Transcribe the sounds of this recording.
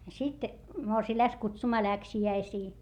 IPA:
sit morsiː læks kutsumɑː læksiæisiː

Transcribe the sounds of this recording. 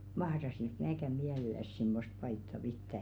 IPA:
mɑhrɑsik mæːkæ miælelˑæs simːost pɑitːɑ pitːæ

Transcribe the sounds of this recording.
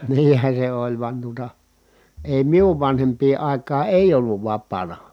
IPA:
niːn̞hæ se olʲ ʋŭɑn tuotɑ eˑi miuʋ ʋɑnhempˑiː ɑˑi̯kˑɑː eˑi̯j̆ olːuʋ ʋɑpːɑːnɑ

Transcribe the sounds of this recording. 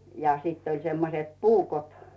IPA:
jɑ siˑtː olʲ semːoset puːkot

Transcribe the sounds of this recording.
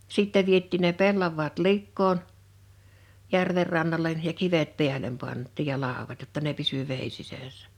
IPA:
siˑtːɛ ʋietˑiːn ne pelːɑʋˑɑːt likːoːn jærʋer rɑnːɑlen jɑ kiʋet pi̞ælem pɑntˑiːj jɑ lɑˑowɑt jotːɑ ne pisy ʋeˑi sisæˑsːæ̥

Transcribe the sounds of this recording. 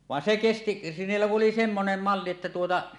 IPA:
ʋɑen se kesti niːlːæ ku ʔoli semːonem mɑlːi etːæ tuotɑ

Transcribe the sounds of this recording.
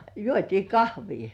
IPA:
juotʲiː kɑhʋiː

